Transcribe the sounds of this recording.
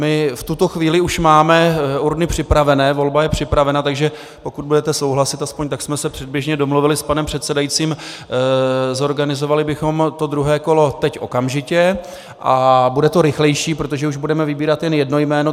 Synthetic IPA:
mɪft̪ut̪o̞xviːlɪuʃmaːmɛuɾnɪpr̝̥ɪpɾavɛnɛːvo̞lbajɛpr̝̥ɪpɾavɛnat̪aɡʒɛ | po̞kud̪budɛt̪ɛso̞wɦlasɪt̪aspo̞ɲt̪aksmɛsɛpr̥ɛd̪̚bɪʒɲɛdo̞mluvɪlɪspanɛmpr̝̥ɛt̪sɛdajitt͡siːm | zo̞ɾɡanɪzovalɪbɪxo̞mt̪o̞d̪ɾuɦɛːko̞lo̞t̪ɛcʔo̞̰kamʒɪcɛ | ʔabudɛt̪o̞ɾɪxlɛjʃiːpɾo̞t̪o̞ʒɛuʒbudɛmɛvɪbiːɾat̪jɛnjɛdno̞jmɛːno̞

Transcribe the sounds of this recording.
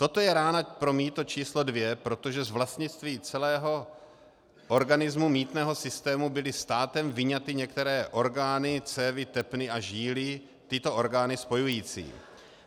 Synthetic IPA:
t̪o̞t̪o̞jɛɾaːnapɾo̞miːt̪ot͡ʃiːslodvjɛpɾo̞t̪o̞ʒɛzvlast̪ɲɪt͡st̪viːt͡sɛlɛːɦo̞ | ʔo̞ɾɡanɪzmumiːt̪nɛːɦo̞sɪst̪ɛːmubɪlɪst̪aːt̪ɛmvɪɲat̪ɪɲɛkt̪ɛɾɛːʔo̞ɾɡaːnɪt͡sɛːvɪt̪ɛpnɪʔaʒiːlɪ | t̪ɪt̪o̞ʔo̞ɾɡaːnɪspo̞jujiːt͡sḭː

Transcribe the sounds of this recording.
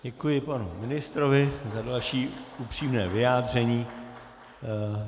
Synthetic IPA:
ɟɛkujɪpanṵmɪnɪst̪ɾovɪzadalʃiːupr̝̥iːmnɛːvɪjaːdr̝ɛɲiː

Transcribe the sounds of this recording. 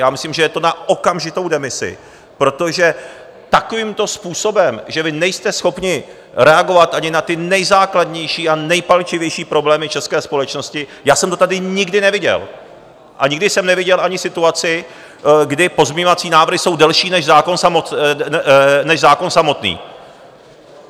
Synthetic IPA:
jaːmɪsliːmʒɛjɛt̪o̞nao̞kamʒɪt̪o̞wdɛmɪsɪ̰ | pɾo̞t̪o̞ʒɛ | t̪ako̞viːmt̪o̞spuːso̞bɛmʒɛvɪnɛjst̪ɛsxo̞pɲɪ | ɾɛaɡo̞vat̪ʔaɲɪnat̪ɪnɛjzaːkladɲɛjʃiːanɛjpalt͡ʃɪvjɛjʃiːpɾo̞blɛːmɪt͡ʃɛskɛːspo̞lɛt͡ʃno̞scɪjaːsɛmt̪o̞t̪adɪɲɪɡdɪnɛvɪɟɛ̰l | ʔaɲɪɡdɪsɛmnɛvɪɟɛlʔaɲɪsɪt̪uat͡sɪ | ɡdɪpo̞zmɪɲovat͡siːnaːvr̩ɦɪso̞wdɛlʃiːnɛʒzaːko̞nsamo | nɛʒzaːko̞nsamo̞t̪nḭː

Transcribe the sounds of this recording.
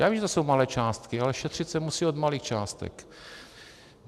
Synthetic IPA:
jaːvimʒɛt̪oso̞wmalɛːt͡ʃaːst̪kɪalɛʃɛt̪r̥ɪt̪sɛmusiːod̪maliːxt͡ʃaːst̪ɛ̰k

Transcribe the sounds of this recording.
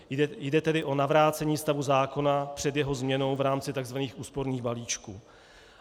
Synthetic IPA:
jdɛt̪ɛdɪʔo̞navɾaːt͡sɛɲiːst̪avuzaːko̞napr̝̥ɛd̪jɛɦo̞zmɲɛno̞wvɾaːmt͡sɪt̪aɡzvaniːxuːspo̞ɾniːɣbaliːt͡ʃkṵː

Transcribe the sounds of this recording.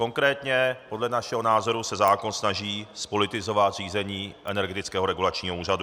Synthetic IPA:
ko̞ŋkɾɛːt̪ɲɛpo̞dlɛnaʃɛɦo̞naːzo̞ɾusɛzaːko̞nsnaʒiːspo̞lɪt̪ɪzo̞vat̪r̝iːzɛɲiːʔɛnɛɾɡɛt̪ɪt͡skɛːɦo̞ɾɛɡulat͡ʃɲiːɦouːradu

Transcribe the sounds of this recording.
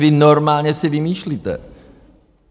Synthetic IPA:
vɪnoɾmaːlɲɛsɪvɪmiːʃliːt̪ɛ̰

